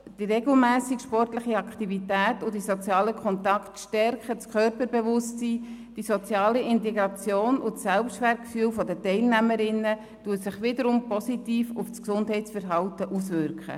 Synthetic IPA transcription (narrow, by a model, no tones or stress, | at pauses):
d̥iɾɛɡl̩mæːsikʃpɔrtləχiɑkχtivitæːtʊdisɔt͡sjɑːləkʰχɔnt̪ɑktʃtɛrkət͡skʰœɾpəɾbevʊstsiːd̥isɔt͡sjɑːliɪnteɡɾɑt͡sjoːnʊsɛlpsʃtʋæːɾt̚kfyːlfɔdətɛɪlnæməɾɪnə | tuːətsɪχʋɪdəɾʊmpɔsitiːfʊfsksʊndɦɛɪtt͡sfəɾɦɑltəʔusvʏɾkχə̰